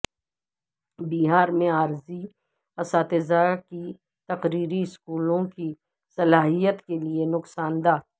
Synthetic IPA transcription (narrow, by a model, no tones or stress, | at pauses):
biːɦaːɾmẽaːɾzi | ɐsaːt̪ezaːki | t̪ɐqɾiːɾiɪskuːlõki | sɐlaːɦijət̪kelienʊqsaːnd̪aː